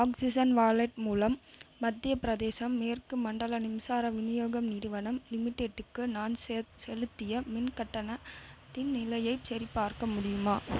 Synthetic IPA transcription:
aːksɪsɐnʋaːlɐʈ̚muːlɐmːɐd̪ːɪjɐpɪɾɐðeːsɐmːeːrkɯmɐɳɖɐɭɐnɪmsaːɾɐʋɪnɪjoːɣɐmniːɾɯʋɐnɐmlɪmɪʈːeːɖːɯkːɯnaːnsɛlɯt̪ːɪjɐmɪnkɐʈːɐnɐt̪ːɪnnɪlɐjɐɪsɐɾipːaːɾkɐmʊɽɪjɯmaː

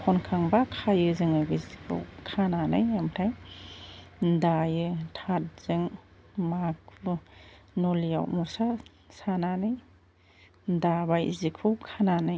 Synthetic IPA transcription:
hʰɔnkʰaŋbakʰajɯzɯŋɯɡɯzikʰɯ̰wkʰanana̰jamtʰaj | ndajɯtʰat̚z̥ɯŋ | mak̚ʰlunɔlija̰wmusa | sananɯj | ndabajzikʰɯwkʰananɯj

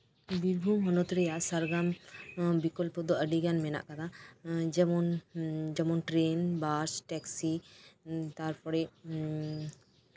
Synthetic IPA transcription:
biɾbʱumɔnot̪ɾejaʔsaɾɡambikɔlpɔd̪ɔəɖiɡanmɛna̰ʔkat̪ʰad͡ʒɛmɔnd͡ʒɔmɔnʈɾenbaɾsʈɛksi | t̪aɾpɔɾe

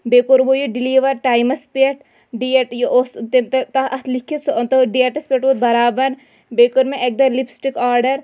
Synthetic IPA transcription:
beːkoɾbojoɖiliːʋɐɾʈaːjmɐspeʈ | ɖieʈjoʔost̪et̪t̪ɐɐslikʰːit̪sɐnt̪oɖieʈɐspeʈʋod̪̚bɐɾaːbɐɾ | beːkoɾmẽʔek̚d̪ɐɾlipsʈikaːɾɖɐɾ

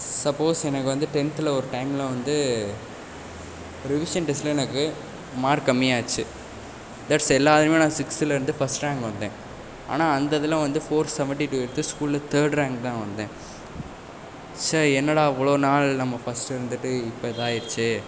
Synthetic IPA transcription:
sɐpːoːsɛnɐkːɯʋɐnd̪ɯʈɛnt̪ɪlɐɔɾɯʈɐɪmɪlɐ̃ʋɐnd̪ɯ | ɔɾɪʋɪʂɐnʈɪsʈlɐɛnɐkːɯ | maːɾkɐmːɪjaːt͡ʃːɯ | d̪ɐʈsɛlːaːðɐnmẽːnãːsɪksɪlɐɪɾɯnd̪ɯfɐsʈɾaːŋɡʋɐnd̪ẽː | a̰ːnaːɐnd̪ɐðɪlãːʋɐnd̪ɯfoːɾsɛʋɛɳʈiʈuːɪɾɯt̪ːɯskuːllɐt̪əːɾɖɾaːŋɡt̪ãːʋɐnd̪ẽː | sɐɾɛnːɐɽaːɐʋːɐɭoːnaːɭnɐmːɐfɐsʈɪɾɯnd̪ɯʈːɯɪpːɐt̪ãːjɪɾɯt͡ʃːɯ

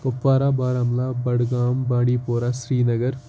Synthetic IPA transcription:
pɐpʋaːɾaːbaːɾaːmlaːbɐɽɡaːmbãːɽiːpoːɾaːʃɾiːnɐɡəɾ

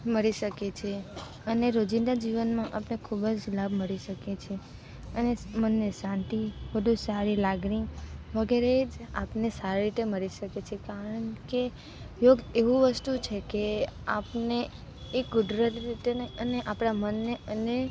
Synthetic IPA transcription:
məɾiʃəket͡ʃʰe | əneɾod͡ʒind̪ad͡ʒiʋənmãʔapnekʰubd͡ʒlabʱməɽiʃəket͡ʃʰe | ənemənːesãnt̪ibəd̪ʱũsaɾilaɡniʋəɡeɾed͡ʒa̰pnesaɾeɾit̪eməɾiʃəket͡ʃʰekaɾəɳke | joɡeʋũʋəst̪ut͡ʃʰekeapne | ekɡʊɖɾəliɾit̪eneəneʔapɳ̃amənːeəne

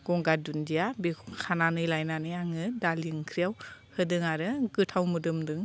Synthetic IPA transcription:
ɡ̥ɔŋɡadundijabikʰananɯjlajnaneaŋɯdaliŋkʰɾijawhɯdɯŋaɾɯɡɯtʰawmɯdɯmdɯŋ

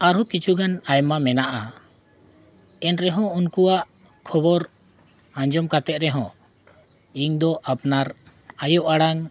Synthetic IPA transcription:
aɾɔkit͡ʃʰuɡanajmamɛnaʔa | ɛnɾɛɦɔ̃unkuwaʔ | kʰɔbɔɾ | ãɲd͡ʒɔmkat̪ɛt̪̚ɾɛɦɔ̰̃ | iŋd̪ɔʔapnaɾ | ajɔʔaɽaŋ

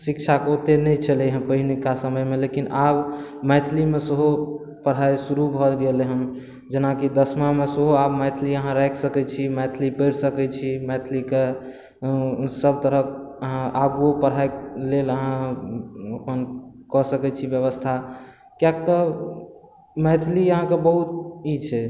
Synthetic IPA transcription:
sikt͡ʃʰakot̪enɛjt͡ʃʰəlɛɦəpəɦinekasəməjmelekinabmɛjt̪ʰlimesəɦo | pəɽ̤ajsuɾubʱɔlɡeleɦəm | d͡ʒenakid̪əsmamesəɦoabmajt̪ʰliəɦãɾakʰsəkɛt͡ʃʰimɛt̪ʰlipəjɾsəkɛt͡ʃʰimɛt̪ʰlike | səb̚t̪əɾəəɦãʔaɡuopəɽ̤ajleləɦã | əpənkɔsəkɛt͡ʃʰibjəβəst̪ʰa | kjak̚t̪ɔ | mɛjt̪ʰliəɦãkebəɦut̪it͡ʃʰɛ

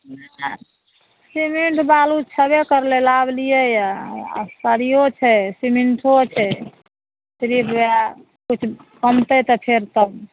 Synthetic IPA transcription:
na | simeɳʈbalut͡ʃʰəbekəɾlelablijəja̰ | səɾijot͡ʃʰɛsimiɳʈʰot͡ʃʰɛ | t̪ɾiba | kut͡ʃʰkəmt̪əjt̪ɔpʰeɾt̪əb

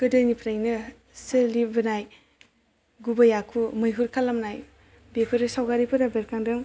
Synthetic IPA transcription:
ɡ̥ɯdɯnipʰɾajnɯ | sɯlibɯnaj | ɡubɐjakʰumɯjɦuɾkʰalamnaj | bepʰɯɾɯsawɡaɾipʰɯɾabeɾkʰaŋdɯŋ

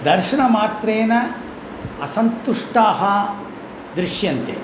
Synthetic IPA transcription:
d̪ɐɾʃɐɳɐmaːt̪ɾeːnɐ | ɐsɐnt̪uʂʈaːɦɐ | d̪ɾiʃjɐnt̪ḛ

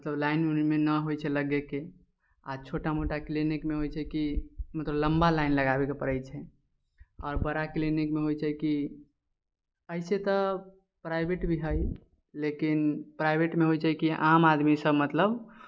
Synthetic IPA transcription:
mət̪ləblaɪnmenəɦojt͡ʃʰɛləɡeke | a̰t͡ʃʰoʈamoʈaklinikmeɦojt͡ʃʰɛkimət̪ləbləmbalaɪnləɡabekepəɾəjt͡ʃʰɛ | ɔːɾbəɾaklinikmeɦojt͡ʃɛjki | əɪset̪ə | pɾajbʱeʈbʱiɦəj | lekinpɾaɪbʱeʈmeɦojt͡ʃaikiamad̪misəbmət̪ləb

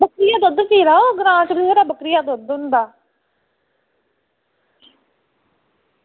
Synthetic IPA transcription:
bəkɾɪjaːd̪ʊd̪piːɾaːoːɡɾãːt͡ʃɾiseːɾaːbəkɾɪjaːd̪od̪ʊ̃nd̪aː

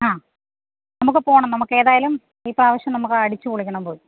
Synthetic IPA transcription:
aː | nɐmukːɨpo̞ːɳɐmnɐmukːe̞ːðaːjɐlum | iːpraːʋɐɕjɐmnɐmukːɨɐɽit͡ɕːɨkoɭikʲːɐɳɐmpoːji

